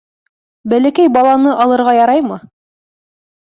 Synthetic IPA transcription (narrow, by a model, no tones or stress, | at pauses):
bælækæjbɑlˠɑnɤʔɑlˠɤ̆ɾʁɑjɑɾɑjmɤ